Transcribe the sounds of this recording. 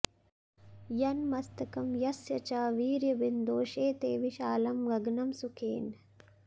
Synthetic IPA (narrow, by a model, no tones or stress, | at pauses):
jɐnmɐst̪ɐkɐmjɐsjɐt͡ʃaːʋiːɾjɐbind̪oːʃeːt̪eːʋiʃaːlɐmɡɐɡnɐmsukʰḛːn